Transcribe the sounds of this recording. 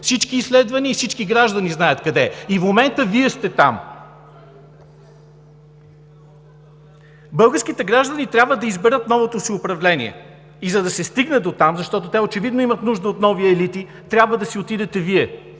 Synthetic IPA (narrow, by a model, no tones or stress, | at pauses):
fsit͡ʃkiːslɛd̪vɐniːfsit͡ʃkiɡɾaʒd̪ɐniznajət̪kɐd̪ɛifmomɛnt̪əviɛst̪ɛt̪a̰m | bɤlˠɡəɾskit̪ɛɡɾaʒd̪ənit̪ɾʲabvəd̪ɐizbɛɾət̪nɔvot̪osiʊpɾɐvlɛnḭɛ̰ | izɐd̪ɐsɛst̪iɡnɛd̪ot̪amzɐʃt̪ɔt̪ot̪ɛot͡ʃɛvid̪noimət̪nuʒd̪əot̪nɔviɛlit̪i | t̪ɾʲjabvəd̪ɐsiot̪id̪ɛt̪ɛviɛ